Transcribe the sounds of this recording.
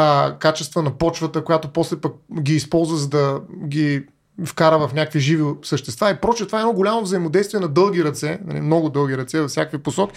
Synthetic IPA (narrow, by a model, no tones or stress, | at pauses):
kat͡ʃɛst̪vənɐpɔt͡ʃvət̪əkojat̪opɔslɛpək̚ɡʲiːspɔlˠzvəzəd̪ɐɡʲi | fkaɾəvɐfnʲakəkviʒivisəʃt̪ɛst̪vaipɾɔt͡ʃɛt̪ovaɛdnɔɡolʲamovzəimod̪ɛjst̪viɛnɐd̪ɤlˠɡʲiɾɐt̪sɛnɐ̰lḭmnɔɡʊd̪ɤlˠɡiɾɐt̪sɛvɐfsʲjakviposɔkʲi̥